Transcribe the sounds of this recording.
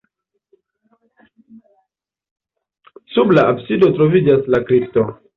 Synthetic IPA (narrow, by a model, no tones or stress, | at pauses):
sublaabsido̞tɾovid͡ʒaslakɾipto